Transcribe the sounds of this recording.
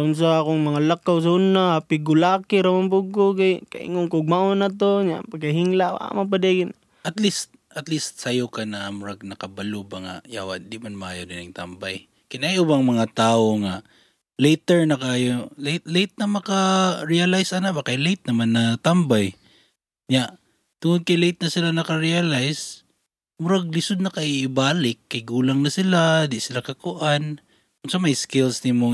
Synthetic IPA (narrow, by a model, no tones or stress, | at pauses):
ʊns̬aakoŋmɐŋalakːaws̬aʊnːaapɪɡʊlaːkɪɾamanbʊɡːokajka̰ʔɪ̰ŋoŋkoʊɡ̚maʔonat̪̬oɲa̰paɡ̚kɐɦiŋlaʔwa̰map̬ad̪eɡɪn | ɐt̪list̪̚ʔɐt̪list̪̚sajʊkanaʔamʊɾaɡ̚nɐkɐbalubaŋa̰ja̰wa̰ʔnd̪imanmɐʔaːjod̪ɪnaŋt̪ambaj | kɪnajʔuːbaŋmɐŋat̪aːoŋa | lejt̪ɛɹnɐkaaːjolɪt̪lejt̪̚nɐmɐkaɾialajsanabakajlejt̪̚nɐmanːɐt̪ambaj | ɲaʔ | t̪ʊŋʊd̪̚kajlejt̪̚nɐsɪlanɐkaɾialajs | mʊɾaɡ̚lɪsʊd̪̚nɐkaʔɪːbaːlɪkːɐjɡuːlaŋnɐsɪlad̪ɪsɪlakɐkʊʔan | ʊnsamajskɪlsnɪmo